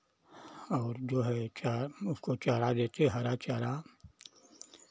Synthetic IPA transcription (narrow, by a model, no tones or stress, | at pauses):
ɔːɾd͡ʒoːɦɛt͡ʃaʊskot͡ʃaːɾad̪eːt̪eɦɐɾat͡ʃaːɾa